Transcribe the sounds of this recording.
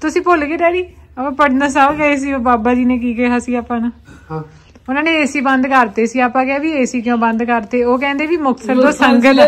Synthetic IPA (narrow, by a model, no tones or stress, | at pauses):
t̪ʊsĩːpoːlkeːɖɛːɽiːəpãːpəɽnd̪aːs̬aːbkɛeːs̬iːoːbaːbaːd͡ʒiːnẽːk̬iːkɛːɦaːsiːaːpːãːnaː | ʊnãːneːeːsiːbə̃nd̪kəɾt̪eːsiːaːpãːkɛaːʋiːeːsiːk̬ɪjõːbə̃nd̪kəɾt̪eːoːkɛ̃ːnd̪eːʋiːmʊksʰəld̪oːsəŋɡət̪